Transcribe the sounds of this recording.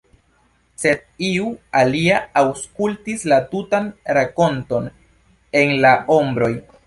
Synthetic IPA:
se̞d̚iualiaːwskultislatutanɾako̞nto̞n | e̞nlao̞mbɾo̞j

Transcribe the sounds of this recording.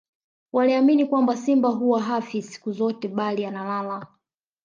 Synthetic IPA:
waliaminikwambasimbaɦuwaɦafisi̥kuzɔtɛɓalianalala

